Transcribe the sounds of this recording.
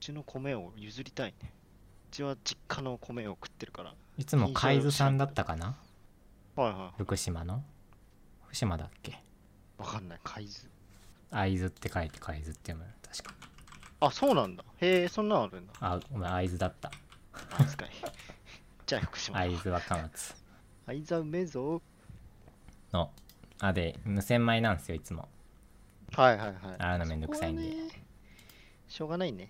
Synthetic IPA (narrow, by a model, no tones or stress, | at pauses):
ɯ̟t͡ɕino̞kʰo̞me̞ojɯ̟zɨɾʲit̪aine | ɯt͡ɕiβad͡ʑikʰːano̞kʰo̞me̞okɯ̟̥t̪ːe̞ɾɯ̟kaɾa̰ | it͡sɨmokʰaizɨsãnd̪at̪ːakana | haihaihjɯ̟kɯ̟ɕimano̞̥ | kɯ̟ɕimad̪akːe̞ | βakanːaikʰaizɨ | aizɨt̪ːe̞kaet̪ːe̥kʰaizɨt̪ːemat̪ʰḁɕi̥kḁasoːnãnd̪ahesõnːãaɾɯ̟̃nd̪aaomaaizɨd̪at̪ːa | ska̰ɲi | d͡ʑaço̥kɯ̥ɕimaaizɨβakamat͡sɨ̥ | aizɨaɯmezo | noad̪e̞mɯ̟sẽ̞mːainãñd̪esɨjoit͡sɨmo̰ | haihaihaiaɾɯnomend̪ok̟saiɲi | ɕo̞ːɡanaine